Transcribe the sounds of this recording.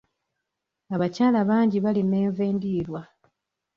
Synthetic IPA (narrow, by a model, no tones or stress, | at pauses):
aβacaːlaβaːɲɟiβalime̞ːɱveːndiːɾwa